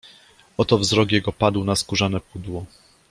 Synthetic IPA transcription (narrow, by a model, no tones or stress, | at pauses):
ɔt̪ɔvzɾɔkjɛɡɔpad̪wnaskuʐanɛpud̪wɔ